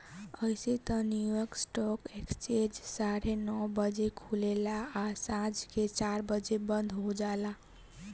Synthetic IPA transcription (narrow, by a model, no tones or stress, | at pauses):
əɪset̪ənjujɔɾksʈɔkekst͡ʃẽd͡ʒsaɾenɔbəd͡ʒekʰulelaːsãd͡ʒket͡ʃaɾbəd͡ʒebənd̪ʱɦod͡ʒala